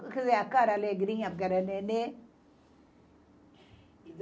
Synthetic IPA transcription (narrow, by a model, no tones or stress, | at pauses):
kʰzeakaːɾaleɡɾĩːap̚ɡəɾənene